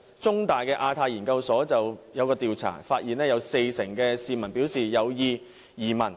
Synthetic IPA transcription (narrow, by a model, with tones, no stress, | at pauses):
t͡sʊ˥ŋt̪aː˨˩jkɛː˧ʔaː˧t̪ʰaː˧jiː˨˩nkɐ˧wsɔː˨˥t͡sɐ˨wjɐ˨˧wkɔː˧t̪iː˨wt͡sʰa̰ː˨˩faː˧t̚jiː˨nlɛː˥jɐ˨˧wse˧jsɪ˨˩ŋkɛː˧siː˨mɐ˨˩npiː˨˥wsiː˨jɐ˨˧wjiː˨˧ | jiː˨˩mɐ˨˩n